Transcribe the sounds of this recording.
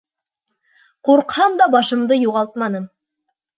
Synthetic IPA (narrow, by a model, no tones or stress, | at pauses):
quɾqhɑmd̪ɑbɑʃɤ̆md̪ɤjuʁɑlˠt̪̚mɑnɤm